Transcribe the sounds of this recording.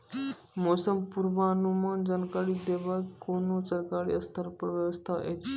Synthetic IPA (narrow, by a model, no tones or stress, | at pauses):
mosəmpuɾʋaːnumand͡zənkaɽiːd̪eʋakːonusəɾkaɽḭːəst̪ʰaɾpəɾʋjəʋəst̪ʰaʔḛ